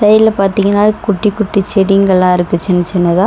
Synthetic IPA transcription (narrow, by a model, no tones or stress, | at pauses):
sɐjɪlɐpaːɾt̪iŋɡɐnːaːkʊʈːikːʊʈːit͡ʃɛɽɪŋɡɐɭlãːɪɾɯkːɯt͡ʃɛnːɐt͡ʃːɛnːɐðãː